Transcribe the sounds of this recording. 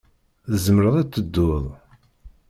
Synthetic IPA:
θəzməɾəðˤæt͡sːəd̪ːʊðˤ

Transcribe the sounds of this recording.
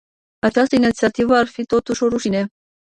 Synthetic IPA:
at͡ʃast̪əinit̪siat̪ivəarfit̪o̞t̪uʃo̞ɾuʃine

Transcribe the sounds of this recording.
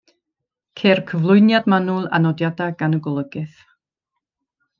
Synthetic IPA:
kʰerkʰəvlˠʊɨnjadmanʊlˠa̰nɔdjadaɡanəɡɔlˠəɡɪθ

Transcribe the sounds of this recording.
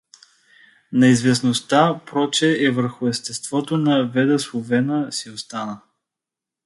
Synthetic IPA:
nɐizvɛs̬nost̪apɾɔt͡ʃɛɛvəɾxʊɛst̪ɛst̪vɔt̪onɐvɛd̪əslˠovɛnəsiost̪anə

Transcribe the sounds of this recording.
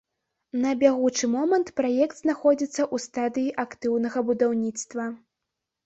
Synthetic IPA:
nɐbʲaɣut͡ʂɨmɔmɐnt̪pɾajɛkd̪znaxɔd͡zʲit̪sːɐʔust̪ad̪ɨjiʔakt̪ɨwnɐɣɐbud̪awnʲit̪st̪vɐ

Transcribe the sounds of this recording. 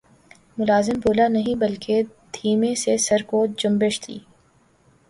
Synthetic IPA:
mʊlaːzɪmbʱoːlanɐɦĩbɐlked̪ʱʰiːmẽsesɐɾkod͡ʒʊmbeʃt̪ʰḭː

